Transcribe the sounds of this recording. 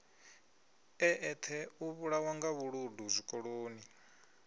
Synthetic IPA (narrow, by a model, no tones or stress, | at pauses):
ɛʔɛt̪ʰɛuβuɺawaŋɡaβuɺuduzʷikʼɔɺoːni